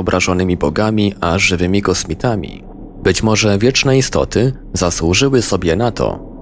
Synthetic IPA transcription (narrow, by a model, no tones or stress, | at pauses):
ɔbɾʔaʐɔnɘmʲibɔɡamʲiʔaʐɘvɘmʲikɔsmʲit̪ʰamʲḭ | bɘt͡ɕmɔʐɛvʲjɛt͡ʂnɛist̪ɔ̰t̪ɘ | zaswuʐɘwɘsɔbʲjɛnat̪ʰɔ̰